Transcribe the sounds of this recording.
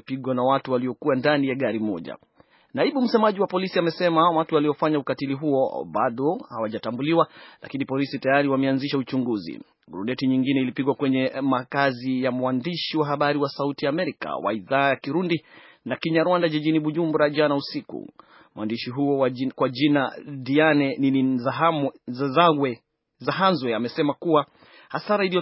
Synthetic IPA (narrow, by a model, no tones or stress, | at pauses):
piɠwanawatuwaliɔkuwandanijaɠaɾimɔʄa̰ | naiɓum̩sɛmaʄiwapɔlisiamɛsɛmawatualiɔfaɲaukatiliɦuɔ̰ɓaɗɔhawaʄatambuliwalʔa̰kinipɔlisitajaɾiwamɛanziʃaut͡ʃuŋɡuzḭ | ɡɾunɛtiɲiŋɡinɛilipiɠwakwɛɲɛmakazijamwandiʃiwaɦaɓaɾiwasautijaːmɛɾika̰wa̰iðaːjakiɾundi | nakiɲaɾwandaʄiʄiniɓuʄumbɾaʄanausikṵ | mwʔandiʃiɦuɔkwaʄinadianɛnini | ɡwɛ | zaɦanzwɛamɛsɛmakuwa | hasaɾailijɔ